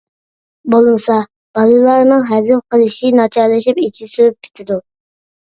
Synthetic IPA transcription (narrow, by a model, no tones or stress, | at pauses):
bolˠmɨsɑ | b̥ɑlˠɨlˠɑɾnɨŋɦɛzɪmqʰəlˠɨʃinɑt͡ʃʰɑɾlˠɨʃipit͡ʃʰisøɾyp̚kʲʰi̥t̪ʰɪd̪u